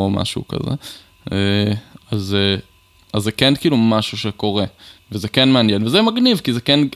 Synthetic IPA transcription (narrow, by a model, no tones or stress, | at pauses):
oma̰ʃṵka̰zḛ | eaze | azːekɛnkiːlumaʃuʃeko̞ʁevezekɛnmeanjenvezemaɡnivkizekɛn